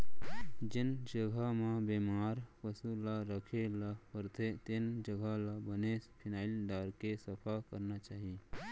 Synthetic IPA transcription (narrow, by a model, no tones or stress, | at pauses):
d͡ʒɪnd͡ʒəɡʱamãbeːmaːɾpəsulaɾəkʰelapəɾt̪ʰet̪ɪnd͡ʒəɡʱalabənespʰɪnaːilɖaːɾkesəpʰakəɾnat͡ʃaːɦi